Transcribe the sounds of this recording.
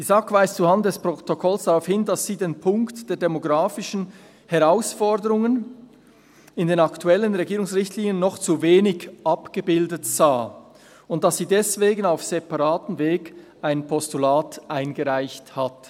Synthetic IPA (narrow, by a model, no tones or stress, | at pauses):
d̥izakv̥aɪst͡suhant̚dɛspʁotokʰɔlsd̥aʁaʊfhɪndɑsz̥iːdeːnpʰʊŋktd̥eːɐdɛmoɡʁaːfɪʃn̩ | hɛʁaʊsfɔdəɾʊŋən | ɪndeːnɑktʰuɛlənʁeɡiːʁɾʊŋsʁɪçtʰliːnjənːɔχt͡suveːnɪɡʔɑpɡ̥əbɪldətz̥aː | ʊnt̚d̥ɑsːiːdɛsv̥eːɡənaʊfsepɑʁaːtn̩veːɡ | ʔaɪnpʰɔstulaːtʔaɪnɡəʁaɪçthat